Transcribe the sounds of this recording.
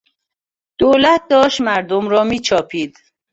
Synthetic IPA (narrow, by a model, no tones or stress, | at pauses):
d̪̥oːlæt̪̚d̪ɒːʃt̪mæɾd̪omɾɒːmiːt͡ʃʰɒːpʰiːd̪